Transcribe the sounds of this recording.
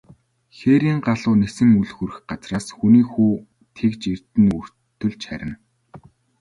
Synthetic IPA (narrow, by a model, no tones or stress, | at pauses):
xeɾiːŋɢaɮʊːnesɘ̆ŋuɮxurɘ̆xɢat͡sraːsxuniːxuː | t̪ʰekt͡ɕir̥t̪ɘ̆nɵr̥ | t̪ʰːɵ̆ɮt͡ɕχæ̰ɾʲɪ̆n